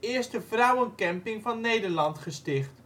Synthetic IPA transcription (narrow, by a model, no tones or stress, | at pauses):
ɪəɹstəfrʌwənkɛmpɪŋvɑnːejdəɹlɑntχəstɪχt